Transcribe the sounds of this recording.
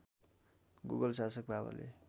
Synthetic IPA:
ɡuɡʌlsasʌk̚bʱaba̰lḛ

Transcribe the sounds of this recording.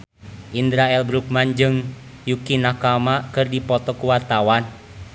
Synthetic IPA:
ʔindɾaɛlbɾuk̚mand͡ʒɨŋ | jukinakamakɨrdipɔt̪ɔkuwart̪awan

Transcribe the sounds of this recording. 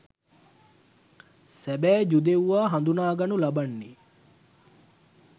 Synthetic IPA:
sæbɛːd͡ʒud̪ewuʋaːɦand̪unaːɡanulabanːi

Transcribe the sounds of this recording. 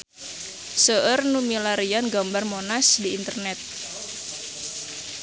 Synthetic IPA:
səʔərnumilaɾianɡambarmonasdiːnt̪ərnɛt̪̚

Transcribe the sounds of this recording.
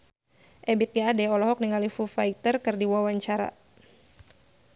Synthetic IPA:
ʔɛbɪt̪̚ɡaːdɛɔlɔɦɔk̚niŋalifufait̪ərkɨrdiwawaɲt͡ʃaɾa̰

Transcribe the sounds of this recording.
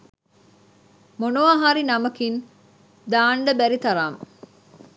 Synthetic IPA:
monoʋaɦaɾinɐmɐkin | d̪aːɳɖɐbæɾit̪ɐɾaːm

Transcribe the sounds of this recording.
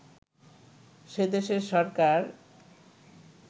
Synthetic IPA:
ʃed̪eʃeɾʃɔɾkaɾ

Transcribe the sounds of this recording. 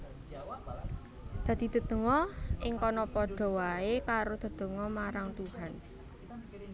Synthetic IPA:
d̪̥ä̤d̪̥i̤d̪̥ə̤d̪̥ə̤ŋɔɪŋkɔnɔpɔɖ̥ɔ̤waekaɾod̪̥ə̤d̪̥ə̤ŋɔmaɾaŋt̪uhan

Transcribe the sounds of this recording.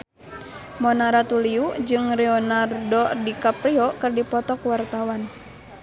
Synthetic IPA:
mɔnaɾat̪uliud͡ʒɨŋrɛɔnardɔdikapɾiɔkɨrdipɔt̪ɔkwart̪awan

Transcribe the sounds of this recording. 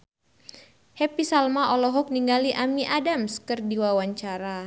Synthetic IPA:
hɛpisalmaʔɔlɔɦɔk̚niŋɡaliʔamiʔadamskɨrdiwawaɲt͡ʃaɾa

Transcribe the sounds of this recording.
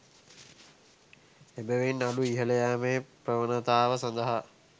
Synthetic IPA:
ebəʋinːaɖuiɦələjaːmeːprəʋənət̪aːʋəsand̪əɦa

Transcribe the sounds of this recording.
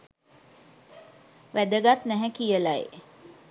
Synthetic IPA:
ʋæd̪əɡat̪næɦækijəlaḛ

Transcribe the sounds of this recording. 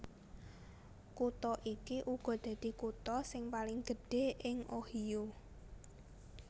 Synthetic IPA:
kut̪ɔʔikiʔuɡ̥ɔ̤d̪̥ä̤d̪̥i̤kut̪ɔsɪŋpalɪŋɡ̥ə̤ɖ̥e̤ʔɪŋʔohijo

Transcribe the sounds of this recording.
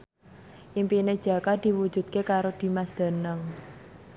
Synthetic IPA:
ʔimpined̥ʒ̥ä̤kad̪̥i̤wud̥ʒ̥ṳdt̪̚kekaɾod̪̥i̤masd̪̥a̤nəŋ

